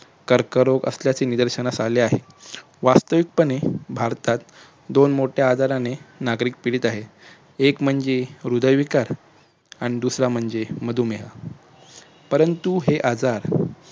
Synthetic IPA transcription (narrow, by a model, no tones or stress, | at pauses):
kəɾkəɾokə̰sljat͡seːnid̪əɾɕənasaleaɦe | ʋast̪əʋik̚pəɳebʱaɾt̪at̪ | d̪onmoʈʰjaːd͡zaɾanenaɡɾiːk̚piɽiːt̪aɦe | ekm̤əɳd͡zeɾud̪əjʋikaɾ | aɽ̃id̪usɾam̤əɳd͡zeməd̪ʱuːmeɦa̰ | pəɾənt̪uɦeʔad͡zaɾ